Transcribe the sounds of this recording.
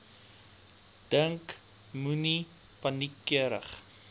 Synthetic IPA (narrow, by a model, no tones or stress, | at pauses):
d̥əŋk | muni | pɐnikːiəɾə̰χ